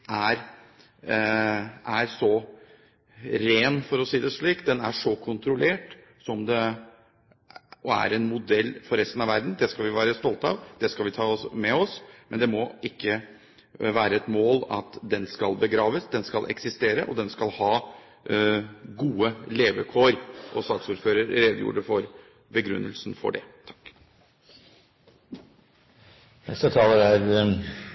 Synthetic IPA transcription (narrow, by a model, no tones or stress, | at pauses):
ʔæɾ | ʔæɾsɔ | ɾeːnfɔɾɔsiːd̪ɛʂɭiːk̪̚d̪ɛnæʂɔkʰʊnt̪ɾʊleːʈ | sɔmd̪ɛ | ʔɔæ̰ɾɛnmʊd̪ɛlːfɔɾɛst̪ən̩ɑʋæɾd̪n̩d̪ɛskɑlʋɪʋæːɾəst̪ɔlt̪ɑ̰ʋd̪̥ɛskɑlʋɪt̪ʰɑːsmɛɔsmɛnd̪ɛmɔɪkːə | ʋæːɾəɛt̪moːlɑ̰t̪d̪ɛnskɑlbəɡɾɑːʋəsd̪ɛnskɑlʔɛ̰ksɪst̪eːɾəʔɔ̰d̪ɛnskɑlhɑː | ɡuːəleːʋəkʰoːɾʔɔsɑːksuːɾføːɾəɾɾeːd̪əjṵːɖəfɔɾ | bəɡɾʉ̰nːʔə̰lsnfɔ̰ɖɛt̪ʰɑ̥kː | nɛ̰st̪ət̪ʰɑːləɾæɾ